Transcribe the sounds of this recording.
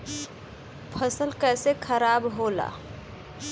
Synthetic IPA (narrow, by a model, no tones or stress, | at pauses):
pʰəsəlkɛːsekʰəɾaːbɦoːla̰ː